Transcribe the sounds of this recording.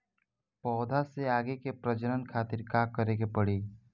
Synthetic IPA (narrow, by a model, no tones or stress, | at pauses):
pɔːd̪ʱaseaːɡekepɾəd͡ʒəɾənkʰaːt̪ɪɾkaːkːəɾeːɡepəɽiː